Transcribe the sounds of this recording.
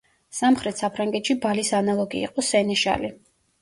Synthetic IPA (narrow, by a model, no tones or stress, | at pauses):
samχɾɛt̪ʰsapʰɾaŋɡɛt̪ʃibalisanalˠɔɡḭːqʼɔsɛnɛʃa̰li